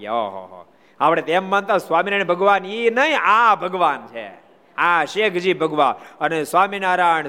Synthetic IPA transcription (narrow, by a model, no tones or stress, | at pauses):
oɦo̰ɦo̰ | apɽet̪emːant̪ãsʋaːminaɳ̃bʱəɡʋaːninəĩabʱəɡʋaːnt͡ʃʰḛ | aʃeːkʰd͡ʒiːbʱəɡʋaənesʋaːminaːɾaːɳ